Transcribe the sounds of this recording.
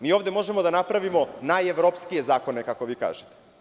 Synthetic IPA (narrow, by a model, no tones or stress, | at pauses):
miːoːvd̪e̞mo̞ʒemod̪anapɾaʋimo̞najeʋɾopskije̞zaːko̞ne̞kako̞ʋiːka̰ːʒet̪e̥